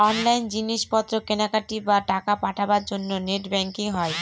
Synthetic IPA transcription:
ɔnlajnd͡ʑiniʃpɔt̪ːɾokenakaʈibaʈakapaʈʰabaɾd͡ʑonːoneʈbɛŋkiŋɦɔe

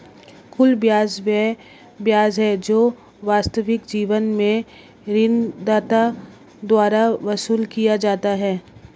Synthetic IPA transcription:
kʰʊlbjaːzʋɛ | bjaːzɦɛd͡ʒoː | ʋaːst̪əʋɪkd͡ʒiːʋənmẽ | ɾɪnd̪aːt̪a | d̪waːɾaʋɐsuːlkijad͡ʒaːt̪aɦɛː

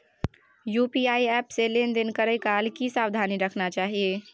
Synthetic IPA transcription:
jupiaiɛpselend̪inkəɾəjkalkisawd̪ʱaniɾəkʰnat͡ʃaɦije

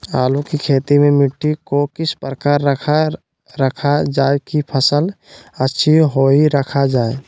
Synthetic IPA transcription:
a̰ːlukikʰeːt̪imemɪʈːikokɪspɾəkaːɾəkʰa | ɾəkʰad͡ʒaːekipʰəsəl | ətːʃʰiɦoːiɾəkʰad͡ʒaːe

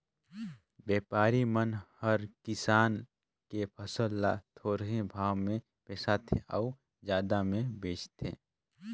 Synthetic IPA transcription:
bɛːpaːɾimənhəɾkɪsaːn | kepʰəsəlːat̪ʰoːɾɦẽbʱaːwmẽ | peːsat̪ʰḛ̃ʔɔː | d͡ʒjaːd̪amẽbeːt͡ʃt̪ʰḛ̃ː

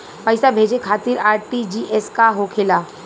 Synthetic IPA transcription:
pəɪsabʱeːd͡ʒekʰaːt̪ɪɾaːɾʈid͡ʒiːʔɛskaɦokʰɪlaː

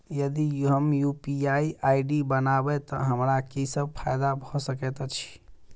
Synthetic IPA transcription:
jəd̪iɦəmjupiaiʔaiɖibənabɛt̪ɔ̰ɦəmɾakisəb̚pʰajd̪abʱɔsəkɛt̪ɔt͡ʃʰi̥

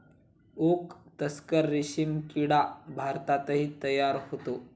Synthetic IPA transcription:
okt̪əskəɾːiɕimkiɽabʱaɾt̪at̪əɦiːt̪əjaɾhot̪o

